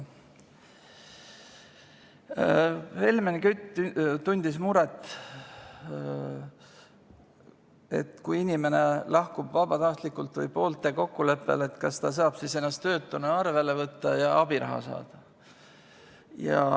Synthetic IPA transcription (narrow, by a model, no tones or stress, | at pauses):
he̞lʲmenikyt̪ːt̪unʲd̪̥ismuɾet̪ːˑ | e̞̰t̪kujinʲime̞ne̞lɑhkub̥vɑb̥ɑt̪ɑht̪likːˑult̪vɯjpo̞ːlt̪ːˑe̞ko̞kːule̞pːe̞̰let̪kɑsːd̪ɑs̬ɑːb̥sise̞nːɑst̪ø̞ːt̪ːˑunɑɑrve̞levɤt̪ˑːɑjɑɑb̥iɾɑ̰ɦɑ̰sɑ̰ːd̪̥ɑ | jɑ̰